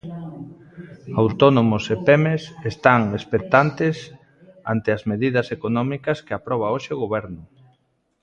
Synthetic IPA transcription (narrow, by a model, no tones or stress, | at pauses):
awt̪onomʊsepemesest̪aŋespekt̪ant̪es | a̰nt̪eazmeðiðɐsekonɔmikɐskeapɾɔβ̞aoʃeʊɣoβɛɾnʊ